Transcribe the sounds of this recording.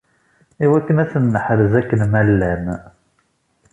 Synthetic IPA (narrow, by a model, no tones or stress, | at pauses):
iwækːənæsənːəħəɾəzækːənmælːæm